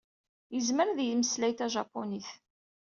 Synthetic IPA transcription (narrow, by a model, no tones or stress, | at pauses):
jəzməɾðjməslæjt̪æʒɑpːoniθ